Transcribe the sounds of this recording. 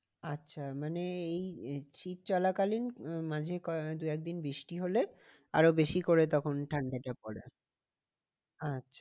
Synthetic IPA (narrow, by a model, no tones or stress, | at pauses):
atːɕʰamaneejt͡ɕit̪̚t͡ɕɔlakalinmãd͡ʑʱekɔd̪uɛk̚d̪inbɾiʃʈiɦole | a̰ɾobeʃikoɾet̪ɔkʰonʈʰaɳɖaʈapɔɾḛ | atːɕʰḁ